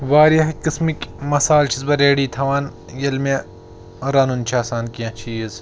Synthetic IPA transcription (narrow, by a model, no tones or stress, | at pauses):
ʋaːɾɐɦkismikʲmɐsaːlt͡ʃʰizbɐɾeːɽiːt̪ʰɐʋaːn | jɐlme | ɾɐnunt͡ʃʰaːsaːnkijɐ̃t͡ʃʰiːz